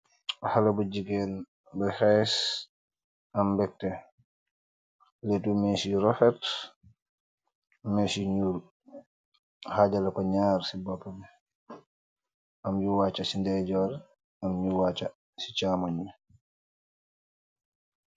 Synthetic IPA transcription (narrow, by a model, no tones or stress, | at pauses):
halabuɟiɡɛn | bəhɛs | ambɛk̚tɛ | letumɛsiɾɔfɛt | mɛsiɲuːl | haɟalakɔɲaːɾsibɔpːɔmɛ | amjuwaːt͡ʃːasindɛɟɔːɾ | amjuwaːt͡ʃa | si̥t͡ʃamɔɲu